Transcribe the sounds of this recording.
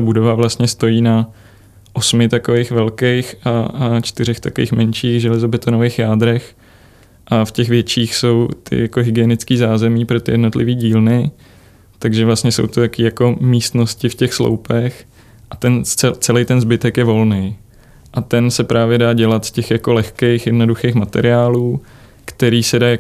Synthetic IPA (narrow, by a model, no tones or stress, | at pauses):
abudo̞vavlast̪ɲɛst̪o̞jiːna | ʔo̞smɪt̪akovejxvɛlkejxʔat͡ʃt̪ɪɾɛxt̪akovḭːxmɛnʃiːxʒɛlɛzobɛt̪onovejxjaːd̪ɾɛx | ʔafcɛxvjɛt͡ʃiːxso̞wt̪ʰɪ̰jako̞ɦɪɡɪjɛnɪt͡skiːzaːzɛmiːpɾo̞t̪ɪ̰jɛdno̞t̪lɪviːɟiːlnɪ | t̪aɡʒɛvlast̪ɲɛso̰wt̪ot̪akiːjako̞miːst̪no̞scɪfcɛxslo̰wpɛx | ʔat̪ɛnɛt͡sɛlɛjt̪ɛnzbɪt̪ɛkjɛvo̞lnej | ʔat̪ɛnsɛpɾaːvjɛdaːɟɛlat̪scɛxjako̞lɛxkejxjɛdno̞duxejxmat̪ɛ̰ɾɪaːluː | kt̪ɛɾiːsɛdaː